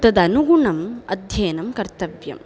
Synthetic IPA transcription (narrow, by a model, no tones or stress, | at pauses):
t̪ɐd̪ɐnuɡuɳɐmɐ̰d̪ʱjɐːnɐmkɐɾt̪ɐʋjɐ̰m